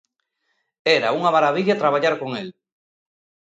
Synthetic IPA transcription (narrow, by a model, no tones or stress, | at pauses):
eɾauŋamaɾaβiʎat̪ɾaβaʎaɾkoŋel